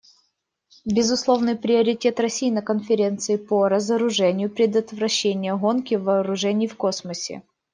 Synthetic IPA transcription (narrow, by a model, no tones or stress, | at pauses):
bʲɪzʊslˠo̞vnɨjpɾʲɪɐɾʲɪtʲe̞t̪rɐsʲijnəkənfʲɪɾʲe̞nt̪sɨɪpoɾəzəɾʊʐɛnʲɪjʊpɾʲɪd̪ət̪vɾɐɕːenʲɪjəɣonkʲɪvɐːɾʊʐɛnʲɪjfko̞sməsʲɪ̰